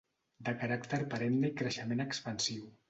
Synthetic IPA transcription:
d̪əkaɾakt̪əɾpaɾennəikɾəʃəmenəkspənsiw

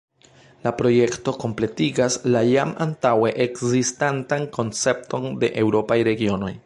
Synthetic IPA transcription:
lapɾo̞je̞kto̞ko̞mple̞tiɡaslajama̰ntawe̞ʔekzistantanko̞nt͡se̞p̚to̞nde̞̰ʔewɾo̞pajɾe̞ɡio̞no̞j

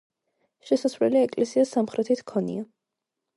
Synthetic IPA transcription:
ʃɛsasvlɛliɛkʼlɛsiasːamχɾɛt̪ʰit̪ʰkʰɔnḭa

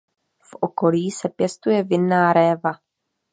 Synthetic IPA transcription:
fʔoko̞liːsɛpjɛst̪ujɛvɪnːaːɾɛːva

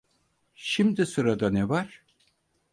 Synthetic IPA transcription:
ʃimd̪isɯɾad̪anɛvaɾ̥

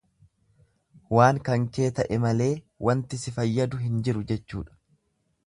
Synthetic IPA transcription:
waːŋkɐŋke̞ːt̪ɐʔɛmɐle̞ː | wʔɐnt̪ɪsɪfɐjːɐd̪ʊɦɪnd͡ʒɪɾʊd͡ʒɛt͡ʃːṵːᶑɐ̥

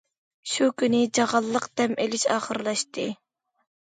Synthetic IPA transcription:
ʃukʲynɪd͡ʒɑʁɑlˠːəqd̪ɛmʔelɪʃɑ̰ːχəɾlˠɑʃt̪ʰɨ

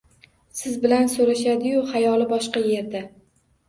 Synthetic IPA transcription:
sɪzbɪlansoɾaʃad̪ɪjʊhajɒlɪbɒʃqɑje̞ɾd̪a

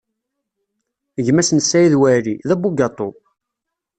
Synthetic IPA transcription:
əʝmæsənsːæjiðwæɾiðæbuɡɑt̪ˤːo

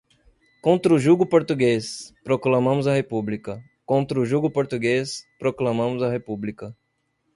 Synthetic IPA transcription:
kõnt̪ɾʊʒuɡʊpoɾt̪uɡespɾoklɐ̃mɐ̃mʊzɐhepublikɐ | kõnt̪ɾʊʒuɡʊpoɾt̪uɡespɾoklɐ̃mɐ̃mʊzɐhepublikɐ

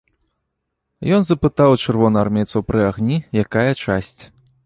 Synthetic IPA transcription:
jɔnzɐpɨt̪awt͡ʂɨrvɔnɐarmʲɛt̪sɐwpɾɨaɣnʲijakajɐt͡ʂasʲt͡sʲ

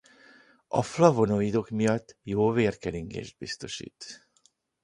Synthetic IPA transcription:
ɒ̰flɒvo̞noiːd̪o̞kmijɒt̪ːjoːveːrkɛliŋɡḛːʒd̪̚bist̪o̞ʃḭːt̪

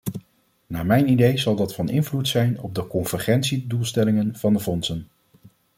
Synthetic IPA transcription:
naːmɛjnidejzɑlˠdɑtfɑnɪnvlutsɛjnɔb̚dəkɔnv̥əɹχɛntsidulˠstɛlɪŋənv̥ɑndəvɔnsən

